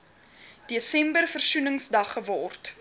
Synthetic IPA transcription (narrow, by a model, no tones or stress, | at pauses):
d̥eəsɛmbərfərsunəŋsdɐχːəvɔrt